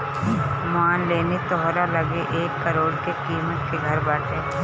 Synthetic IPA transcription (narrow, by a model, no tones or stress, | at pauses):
maːnleːnit̪ɔɦɾalɐɡeʔeːkːɐɾoːɽkekiːmət̪keɡʱɐɾbaːʈ̪eː